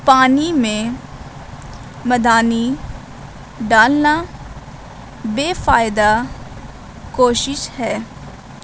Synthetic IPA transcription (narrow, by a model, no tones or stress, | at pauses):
paːnimẽ | məd̪aːni | ɖaːlna | beːfaːɪd̪a | koːʃɪʃhɛː